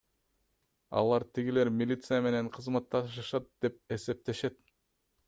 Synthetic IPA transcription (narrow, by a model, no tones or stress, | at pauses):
ɑ̰lˠɑɾt̪ʰiɡile̞ɾmʲilʲit̪sɨjame̞ne̞ɴqʰɯzmɑt̪ːɑʃɯʃɑt̪̚d̪̥e̞p̚e̞se̞p̚t̪e̞ʃe̞t̪̚